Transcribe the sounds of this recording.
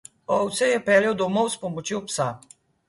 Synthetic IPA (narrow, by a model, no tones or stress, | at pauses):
ɔwt̪sɛjɛpɛːljɛwd̪ɔmɔwspɔmɔt͡ʃjopsa